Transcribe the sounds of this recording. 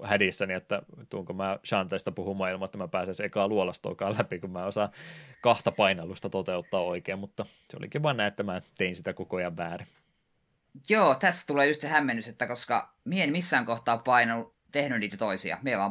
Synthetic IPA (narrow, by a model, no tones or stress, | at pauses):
hædisːæniet̪ːæt̪uːŋkomæːʃɑnt̪ɑist̪ɑpuhummɑːˑilmɑet̪ːæmæpæːsensekɑːluolɑst̪o̰ːkɑːlæpikummæːosɑkɑht̪ɑpɑinɑlust̪ɑt̪ot̪eut̪ːɑːoikeːmmut̪ːɑ | seo̰lḭkiʋʋɑnːɑet̪ːæmæt̪einsit̪ækokojɑʋʋæːri | joːt̪æsːæ̥t̪uleːjust̪sehæmːenːyset̪ːækoskɑ̰ | mieenmisːæːŋkoht̪ɑːpɑinɑlu | t̪ehnynniːt̪æt̪oisḭɑ̰mieʋɑː